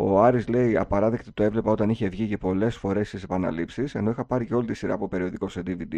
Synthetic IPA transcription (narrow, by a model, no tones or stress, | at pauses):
o̞ɐɾizle̞iɐ̰pɐɾɐðe̞kt̪i̥t̪oe̞vle̞pɐo̞t̪ɐniçe̞vʝicepo̞le̞sfo̞ɾe̞st̪ise̞pɐnɐ̰lipsise̞no̞ixɐpɐɾice̞o̞lit̪isiɾɐ̰ːpope̞ɾio̞ðiko̞sed̪ivid̪i